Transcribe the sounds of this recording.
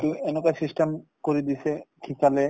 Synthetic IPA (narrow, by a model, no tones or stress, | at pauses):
t̪uenokajsisʈemkoɾid̪isʰekʰikale